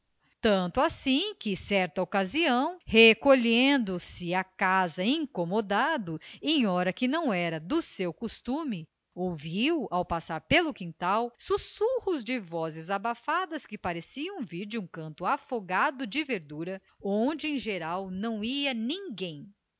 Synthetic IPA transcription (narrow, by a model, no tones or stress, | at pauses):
t̪ɐ̃nt̪ʊasĩkɪsɛɾt̪ɐokaziɐ̃w̃hekoʎẽnd̪ʊsɪakazɐĩŋkomod̪ad̪ʊẽj̃ɔɾɐkɪnɐ̃w̃ɛɾɐd̪ʊsewkust̪ũmɪ | owviwawpasaɾpelʊkĩnt̪awsusuhʊzd͡ʒɪvɔzɪzabafad̪ɐskɪpaɾesiɐ̃w̃viɾd͡ʒɪũkɐ̃nt̪ʊafoɡad̪ʊd͡ʒɪveɾd̪uɾɐ | õd͡ʒɪẽj̃ʒeɾawnɐ̃w̃iɐnĩŋɡẽj̃